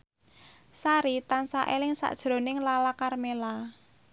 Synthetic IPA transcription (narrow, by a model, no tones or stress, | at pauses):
saɾit̪ansa̰ʔelɪŋsa̰ʔd̥ʒ̥ɾo̤nɪŋlalakarmela